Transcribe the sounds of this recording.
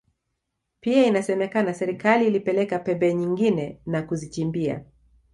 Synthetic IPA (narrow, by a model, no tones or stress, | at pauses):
piainasɛmɛkanasɛɾikaliːlipɛlɛkapɛbɛɲiŋɡinɛnakuzit͡ʃimbia̰